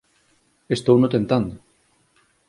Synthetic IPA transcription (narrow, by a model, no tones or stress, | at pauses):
est̪ownot̪ent̪and̪o